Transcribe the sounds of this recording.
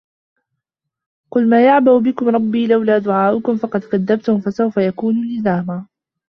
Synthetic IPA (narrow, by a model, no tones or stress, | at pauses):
qʊlmaːjaʕbabɪkʊmɾˤɑbːiːlawlaːd̪ʊʕaːʔʊkʊmfɑqɑd̪kaðːab̚t̪ʊmfasawfajakuːnuːlɪzaːmaː